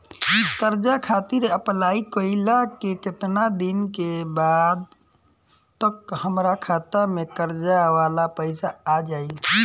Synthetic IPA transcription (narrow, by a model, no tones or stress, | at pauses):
kəɾd͡ʒakʰaːt̪iɾəplaːikoɪlakekɪt̪nad̪inkebad̪ | t̪əkhəmɾakʰaːt̪amẽkəɾd͡ʒaʋaːlapəɪsaːd͡ʒaːi